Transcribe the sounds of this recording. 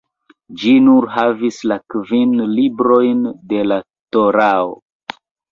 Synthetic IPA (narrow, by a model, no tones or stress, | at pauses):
d͡ʒinuɾɦavislakvinlibɾo̞jnde̞la | toɾao̰